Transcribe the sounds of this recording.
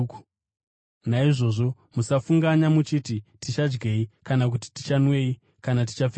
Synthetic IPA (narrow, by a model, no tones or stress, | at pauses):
u | naiʐo̞ʐo̞ | musafuŋɡaɲamut͡ʃititit͡ʃad͡ʒɡeikanak̬ut̬i̥ti̥t͡ʃanwe̞i | kanat̬i̥t͡ʃaf